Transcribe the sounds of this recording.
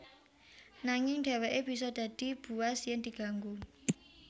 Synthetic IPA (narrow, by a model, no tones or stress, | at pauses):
naŋɪŋɖ̥ɛ̤wɛʔeb̥i̤s̬ɔd̪̥a̤d̪̥i̤b̥ṳwasjɪnd̪i̤ɡ̥a̤ŋɡu